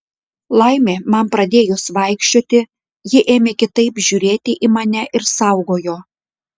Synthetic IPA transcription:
lˠɐɪmʲeːmɐmpɾɐd̪ʲeːjʊsʋɐɪkʃʲt͡ʃʲoːt̪ʲɪ | jɪʔeːmʲeːkʲɪt̪ɐɪpʒʲuːɾʲeːt̪ʲɪʔimɐnʲɛʔɪɾsɐˑʊɡoːjoː

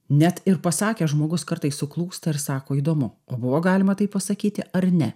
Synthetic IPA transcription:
nʲɛt̪ɪɾpɐsɑːkʲeːʒmoːɡʊskɐɾt̪ɐɪssʊklˠuːst̪ɐɪɾsɑːkoːiːd̪oːmʊoːbʊʋoːɡɑːlʲɪmɐt̪ɐɪppɐsɐkʲiːt̪ʲɪʔɐɾnʲɛ

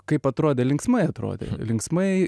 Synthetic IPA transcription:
kɐɪpɐt̪ɾoːd̪ʲeːlʲɪŋksmɐɪɐt̪ɾo̰ːd̪ʲḛlʲɪŋksmɐɪ

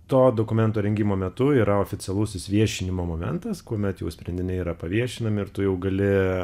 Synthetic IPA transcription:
t̪oːd̪oːkʊmʲɛnt̪oːɾʲɛŋʲɡʲimoːmʲɛt̪ʊiːɾɐoːfʲɪtsʲɛlˠʊsʲɪsʋʲiɛʃʲɪnʲɪmoːmoːmʲɛ̰nt̪ɐskuɔmʲɛt̪jɛʊsʲpʲɾʲɛnʲd̪ʲɪnʲɛɪiɾɐpɐʋʲiɛʃʲɪnɐmʲɪɪɾt̪ʊjɛʊɡɐlʲɪ

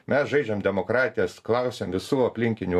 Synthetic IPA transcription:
mʲɛsʒɐɪd͡ʒʲɛmd̪ʲɛmokɾɑːt̪ʲɪjɛsklˠɑʊsʲeːmʋʲɪsuːɐpʲlʲɪŋʲkʲɪnʲu

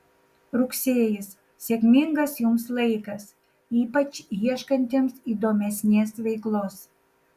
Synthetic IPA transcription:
ɾʊksʲeːjɪs | sʲɛkʲmʲɪŋɡɐsjʊmslˠɐɪkɐs | iːpɐt͡ʃʲjiɛʃkɐnʲt̪ʲeːmsiːd̪oːmʲɛsʲnʲeːsʋʲɛɪklˠoːs

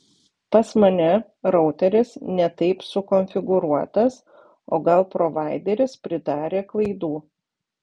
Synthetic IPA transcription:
pɐsmɐnʲɛ | ɾɒʊt̪ʲɛɾʲɪsnʲɛt̪ɐɪpsʊkɔnʲfʲɪɡʊɾuɔt̪ɐs | oːɡɐlˠpɾɔʋɑˑɪd̪ʲeɾʲɪspʲɾʲɪd̪ɑːɾʲeːklˠɐɪd̪uː

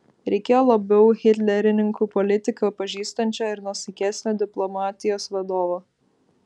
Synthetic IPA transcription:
ɾʲɛɪkʲeːjoːlˠɐbʲɛʊɣʲɪt̪ʲlʲɛɾʲɪnʲɪŋkuːpɔlʲɪt̪ʲɪkɐpɐʒʲiːst̪ɐnʲt͡ʃʲoɪɾnusʲɪkʲæsʲnʲoːd̪ʲɪplˠɔmɑːt̪ʲɪjoːsʋɐd̪oːʋo

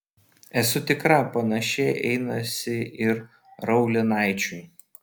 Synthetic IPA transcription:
ɛsʊt̪ʲɪkɾɑːpɐnɐʃʲeːʔɛ̰ɪnɐsʲɪɪɾ | ɾɐʊlʲɪnɑˑɪt͡ʃʲu

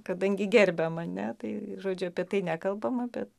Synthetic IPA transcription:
kɐd̪ɐŋʲɡʲɪɡʲɛrʲbʲɛmɐnʲɛt̪ɐɪʒoːd͡ʒʲʊɐpʲiɛt̪ɐɪnʲæːkɐlˠbɐmɐbʲɛt̪

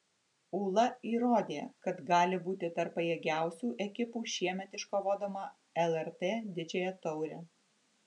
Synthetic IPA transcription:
uːlˠɐiːɾoːd̪ʲḛːkɐt̪ɡɑːlʲɪbuːt̪ʲɪt̪ɐɾpɐjeːɡʲæˑʊsʲuːʔɛkʲɪpuːʃʲiɛmʲɛt̪ɪʃkoʋoːd̪ɐmɑ | ɛlˠɛɾt̪eːd̪ʲɪd͡ʒʲejɛt̪ɔʊɾʲɛː

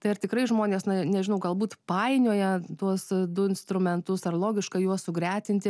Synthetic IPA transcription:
t̪ɐɪɐrt̪ʲɪkɾɐɪʒmoːnʲeːsnɐnʲɛʒʲɪnɐʊɡɐlˠbuːt̪pɑɪnʲuːjɛt̪uɔsd̪ʊɪnst̪ɾʊmʲɛnt̪ʊsɐrlˠoːɡʲɪʃkɐjuɔssʊɡɾʲæːt̪ʲɪnʲt̪ʲɪ

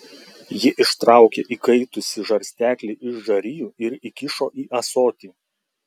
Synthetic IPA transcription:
jɪʔɪʃt̪ɾɑˑʊkʲeːʔiːkɐɪt̪ʊsʲɪʒɐɾʲsʲt̪ʲæːkʲlʲeʔɪʒʒɐɾʲɪjuːɪɾikʲɪʃoːʔiːʔɐsoːt̪ʲiːˑ

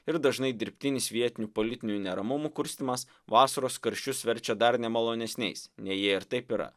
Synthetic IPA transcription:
ɪɾd̪ɐʒnɐɪd̪ʲɪɾʲpʲt̪ʲɪnʲɪsʋʲiɛt̪ʲɪnʲupolʲɪt̪ʲɪnʲuunʲɛɾɐmʊmuːkʊɾʲsʲt̪ʲɪmɐs | ʋɑːsɐɾoːskɐɾʲʃʲt͡ʃʲʊsʋʲɛɾʲt͡ʃʲɛd̪ɐɾnʲɛmɐlˠoːnʲɛsʲnʲɛɪsnʲɛjiɛɪɾt̪ɐɪpiɾɐ̰

